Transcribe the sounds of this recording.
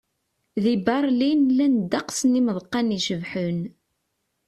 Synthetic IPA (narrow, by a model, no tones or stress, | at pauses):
ðibɑɾˤlinlænd̪ɑqsəniməðˤqːɑniʃəvħən